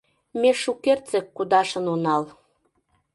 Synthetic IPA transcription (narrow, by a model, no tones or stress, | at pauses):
meʃukert͡sekːud̪ɑʃə̆nonɑl